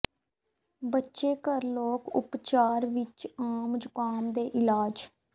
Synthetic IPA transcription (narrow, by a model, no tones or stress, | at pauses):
bətːʃeːkəɾloːkʊ̰pt͡ʃaːɾʋɪt͡ʃaːmd͡ʒʊkaːmd̪eːʔɪlaːd͡ʒ